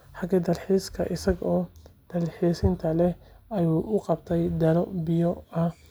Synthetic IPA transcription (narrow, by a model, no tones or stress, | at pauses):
ħɑɡɐd̪ɐlħiɪskʰɐ̰ʔɪsɐɡɔːd̪̥ɐlħɪɛsɪnt̪ʰɐlɛɐjuːʔʊqɑb̚t̪ʰɛjd̪ɐlɔbɪjɔɐ